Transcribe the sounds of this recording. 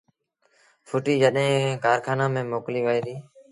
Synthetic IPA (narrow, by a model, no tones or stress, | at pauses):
fʰʊʈiːd͡ʒəɗɦẽːkaːɾkʰaːnãːmẽːmoːkliːʋəiːɾiː